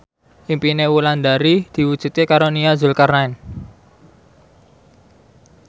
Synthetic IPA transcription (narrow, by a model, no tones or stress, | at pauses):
ʔimpinewuland̪aɾid̪̥i̤wud̥ʒ̥ṳt̪̚kekaɾoniazulkarnaɪn